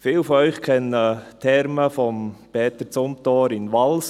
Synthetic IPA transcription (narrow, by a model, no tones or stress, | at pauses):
fɪːlfɔœʏχkʰɛnət̪ʰɛɾməfɔmpɛːt̪əɾt͡sʊmt̪oːɾɪnʋɑls